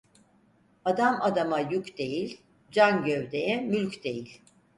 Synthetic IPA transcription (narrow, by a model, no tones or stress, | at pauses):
ad̪amad̪amajucd̪e̞jilʲ | d͡ʒanɟøvd̪ejɛmylʲcd̪e̞jilʲ